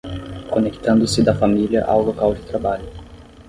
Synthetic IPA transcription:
konekt̪ɐ̃nd̪ʊsɪd̪ɐfamiliɐ̰ʔa̰wlokawd͡ʒɪt̪ɾabaʎʊ

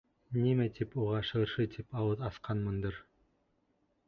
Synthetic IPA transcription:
nimæt̪ʰipuʁɑʃɤ̆ɤ̆ɾʃɤt̪ʰipɑwɤðɑsqʰɑnmɤnd̪ɤɾ

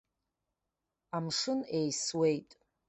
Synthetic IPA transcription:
amʂɨnejswejtʼ

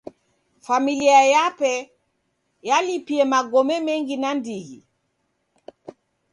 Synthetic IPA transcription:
familiajapɛ | jalipiɛmaɡɔmɛmɛŋɡinandiɣḭ

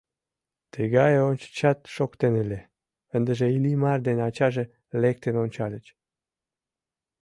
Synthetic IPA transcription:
t̪əɣɑjeonʲt͡ɕt͡ɕɑt̪ʃokt̪enəlʲe | ənd̪əʒeilimɑrd̪enɑt͡ɕɑʒĕ | lek̚t̪enonʲt͡ɕɑlʲət͡ɕ

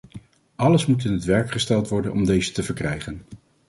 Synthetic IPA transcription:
ʔɑləsmut̬ɪnɦətʋɛɹkχəstɛlˠtʋɔɹdənʔɔmdejzətəvəɹkrɛjχən

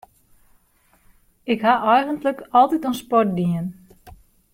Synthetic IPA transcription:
ɪkɦaʔɛjɣəntləkɔlˠtitonspɔrt̚diən

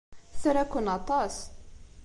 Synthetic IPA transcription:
t͡sːɾækʷːənɑt̪ˤɑs

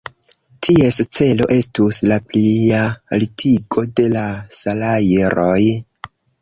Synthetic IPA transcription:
tʰie̞st͡se̞lo̞̰ʔe̞stuslaplialitʰiɡo̞de̞lasalajeɾoj

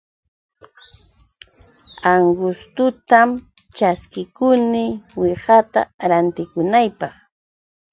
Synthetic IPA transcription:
aŋɡʊst̪ʊt̪am | t͡ʃaskɪkʊnɪwɪɢat̪a̰ɾant̪ɪkʊnajpɑχ

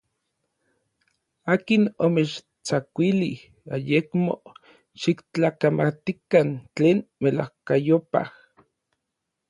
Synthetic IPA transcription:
aːkinomet͡ʃ | t͡sakʷilih | ajekmo̰ | ʃikt͡ɬaːkamat̪ikant͡ɬeːnmelahkajopa̰h

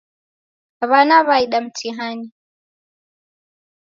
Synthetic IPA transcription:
βanaβaiɗam̩tʰiɦani

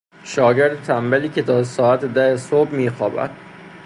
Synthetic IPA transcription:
ʃɒːɟeɾd̪et̪ʰæmbeliːcʰʲe̞t̪ʰɒːsɒːæt̪ʰed̪æhesobmiːxɒːbæ̰d̪̥

